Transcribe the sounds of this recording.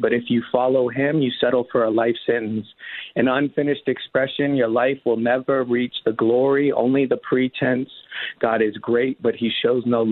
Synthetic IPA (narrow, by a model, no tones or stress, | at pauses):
b̥ʌɾɨfjɨfɑlˠoʊɪ̃mjɨsɛɾl̩ˠfə˞əlaɪfsɪ̃nz̥ɨ̃nʌ̃nfɪ̃nɨʃtɨkspɹɛʃɨ̃njə˞laɪfwəlˠnɛvə˞ɹit͡ʃðəɡlɔɹiʔõ̰ʊ̃nliðəpʰɹ̥itʰɛ̃nsɡ̥ɑɾɨzɡɹeɪt̚b̥ʌt̚hiʃoʊznoʊ